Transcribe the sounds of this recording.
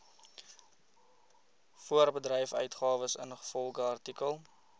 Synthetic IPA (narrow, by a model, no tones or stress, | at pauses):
fuərbədɾɛjfœ̰ɥtχɑːvəsə̰nχə̥fɔlˠχəɐrtikəlˠ